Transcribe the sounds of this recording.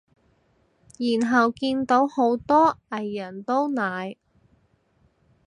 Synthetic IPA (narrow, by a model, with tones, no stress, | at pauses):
jiː˨˩nɦɐ˨wkiː˧nt̪o˨˥who˨˥wt̪ɔː˥ɐ˨˩jːɐ˨˩nt̪o˥wnaː˨˧j